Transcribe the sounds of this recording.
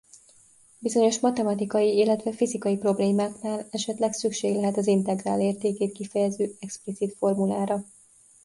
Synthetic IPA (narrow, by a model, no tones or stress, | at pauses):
bizo̞ɲo̞ʃmɒt̪ɛmɒt̪ikɒjiilːɛt̪ʋɛfizikɒjipro̞bleːmaːknaːlɛʃɛt̪lɛksykʃeːɡlɛɦɛt̪ɒzint̪ɛɡra̰ːleːrt̪eːkeːt̪̚kifɛjɛzøːɛksplit̪sit̪fo̞rmulaːɾɒ